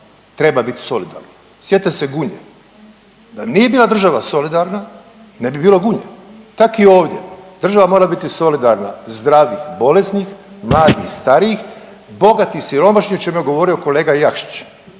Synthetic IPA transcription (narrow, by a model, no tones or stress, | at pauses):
t̪ɾe̞babit̪i̥so̞lid̪a̰ɾno | sjet̪ese̞ɡuɲḛ | d̪a̰nije̞biːlad̪r̩ʒaʋaso̞lid̪aɾna | nebibiːlo̞ɡuɲḛt̪akio̞ːʋd̪ʲje̞̰d̪r̩ʒaʋamo̞ːɾabit̪iso̞lid̪aɾna̰zd̪ɾaːʋixbo̞lesnixmlaːd̪ḭxst̪aɾiix | bo̞ɡat̪ixsiɾo̞maʃɲiot͡ʃemujeɡo̞ʋo̞ɾio̞ko̞leːɡajakʃi̥t͡ʃ